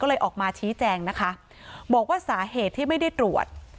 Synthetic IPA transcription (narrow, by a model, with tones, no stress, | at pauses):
ɔː˥˩lɤː˧jʔɔː˨˩k̚maː˧t͡ɕʰiː˦˥t͡ɕɛː˧ŋna˦˥kʰa˦˥ | bɔː˨˩k̚waː˥˩saː˩˦ɦeː˨˩t̪ʰːiː˥˩ma˥˩jda˥˩jt̪ɾu˨˩ət̪̚